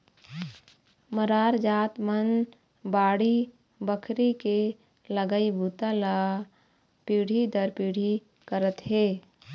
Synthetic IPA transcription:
məɾaːɾd͡ʒaːt̪mən | baːɽi | bəkʰɾike | ləɡəibʱuːt̪ala | piːɽ̤id̪əɾpiːɽ̤i | kəɾət̪ɦeː

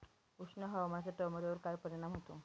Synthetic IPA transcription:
usnəɦamasaʈɔməɾeʋəɾkajpəɾiɽ̃amɦot̪o

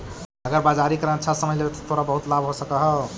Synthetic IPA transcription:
əɡəɾbad͡ʒaɾikəɾãnt͡ʃʰasəməjlebet̪ʰt̪ʰoɾabəɦut̪labɦosəkəɦə

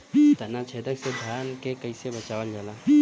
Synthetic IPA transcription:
t̪ɐnat͡ʃʰeːd̪əksed̪ʱjaːnkekəɪsebɐt͡ʃaːʋəld͡ʒalaː

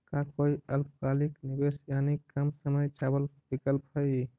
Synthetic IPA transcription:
kakoiəlpkaliknibesjanikːɾəmsəməjt͡ʃabəlbikəlpɦəj

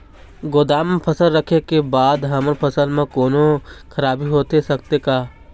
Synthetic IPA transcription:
ɡoːd̪aːmpʰɐsəlːɐkʰekebaːd̪ɦɐmɾpʰɐsəlmẽkoːnokʰɐɾaːbiɦoːt̪esɐk̚t̪ekaː

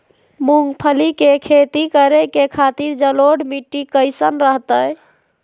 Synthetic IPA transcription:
muŋɡpʰəlikekʰet̪ikəɾekekʰat̪iɾd͡ʒəloɖmiʈːikəɪsənɾəɦt̪əj

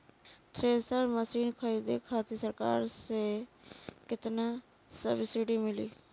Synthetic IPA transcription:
t̪ʰɾeːsəɾməsiːnkʰəɾiːd̪eːkʰaːt̪isəɾka̰ːɾseː | kɪt̪naː | sə̰ɾbɪsɪʈiːmɪliː

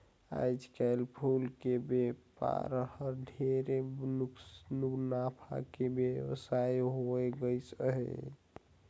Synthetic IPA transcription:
a̰jd͡ʒkalpʰulkebepa̰ɾəhəɾɖʱeɾe | nuɡnapʰa̰kebewsajɦoɛɡəjsəɦɛ̰

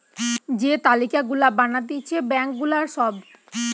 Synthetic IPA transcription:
d͡ʑet̪alikaɡulabanat̪it͡ɕʰebɛŋkɡulaɾʃɔb

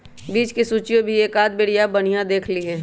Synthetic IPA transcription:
biːt͡ʃkisuːt͡ʃijõbʱieːkaːd̪̚bɪːɽijabɐɽ̤ijãd̪eːkʰliɦɛː

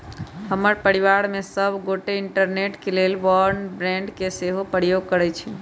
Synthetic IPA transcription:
ɦəməɾpəɽiʋaɾmesəbʱɡoʈeiɳʈəɾneʈkelelʋɔɾnbɾɛ̃ɳɖkeseɦopəɾjoɡ̚kəɾɛt͡ʃʰɛ

